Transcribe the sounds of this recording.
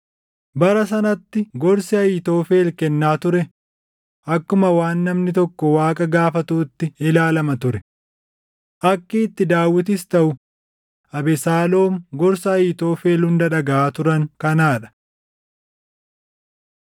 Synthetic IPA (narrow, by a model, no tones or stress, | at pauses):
bɐɾɐs̬ɐnɐt̪ːɪɡɔɾsɪɐjɪt̪o̞ːfe̞ːlkɛnːaːt̪ʊɾɛ | ʔɐkːʊmɐwaːnːɐmnɪt̪ɔkːɔwaːkʼɐɡaːfɐt̪uːt̪ːɪɪlaːlɐmɐt̪ʊɾɛ | ʔɐkːit̪ːɪd̪aːwːɪt̪̬ɪst̪ɐʔʊ | ʔɐbɛsaːlo̞ːmɡɔɾsɐɐjɪt̪o̞ːfe̞ːlhʊnd̪ɐᶑɐɡɐʔaːt̪ʊɾɐŋkɐnaːᶑɐ̥